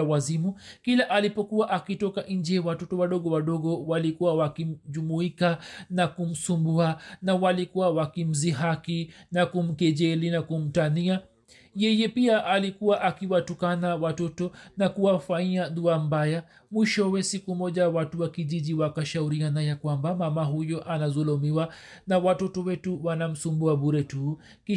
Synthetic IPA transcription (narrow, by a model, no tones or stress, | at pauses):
wazimukilaʔalipɔkuwaʔakitɔkaʔiɲd͡ʒɛwatɔtɔwaɗɔɠɔwaɗɔɠɔwalikuwawakim̩ʄumuikanakum̩sumbuanawalikuwawakim̩ziɦakinakum̩kɛʄɛlinakum̩tania | jɛjɛpiaʔalikuwaʔakiwatukanawatɔtɔnakuwafaiaɗuam̩baja | mwiʃɔwɛsikumɔʄawatuwakiʄiʄiwakaʃauɾianajakwambamamaɦujɔʔanazɔlɔmiwanawatɔtɔwɛtuwanam̩sumbuaɓuɾɛtu | ki